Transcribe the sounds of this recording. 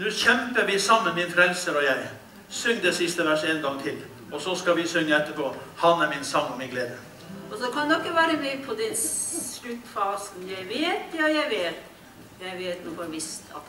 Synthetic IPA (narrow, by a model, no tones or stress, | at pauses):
nʉːçɛmpəɾʋɪsɑmːənmɪnfɾɛlsəɾɔjæɪ | sʏŋːd̪ɛsɪst̪əʋæʂeːnɡɑŋt̪ʰɪl | ɔsɔskɑʋɪsʏŋːəɛt̪ːəpʰoːhɑnæɾmɪnsɑŋːɔmɪɡleːd̪ə | ɔsɔkʰɑnɛɔkːəʋæːɾəbliːpʰɔd̪ɛnsɭʉt̪ːfɑːsn̩jæɪʋeːt̪jɑjæɪʋeːt̪ | jæɪʋeːt̪nuɡɔnʋɪst̪ʰɑ̰t̪